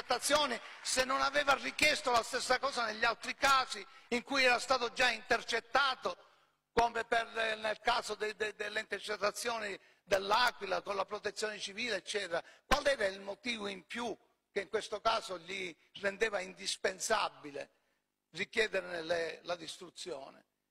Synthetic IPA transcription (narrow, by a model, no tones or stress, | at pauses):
t̪ːat̪sːjɔːnisenːonavɛːvarːikjɛst̪olast̪esːakɔːzaneʎːalt̪ɾikaːsiiŋkujɛːɾast̪aːt̪od͡ʒaint̪ert͡ʃet̪ːaːt̪o | komepernelkaːzod̪ed̪ed̪elːeint̪ert͡ʃet̪ːat̪sːjɔːni | d̪elːaːkwilakonlapɾot̪et̪sːjɔːnɪt͡ʃiviːleːt͡ʃːɛːt̪ɾakwalɛːɾailmot̪iːvoimpju | keiŋkwest̪okaːzoʎi | rend̪ɛːvaind̪ispensabːilḛ | rikjɛːd̪eɾenelelad̪ist̪ɾut̪sːjɔ̰ːnɪ̰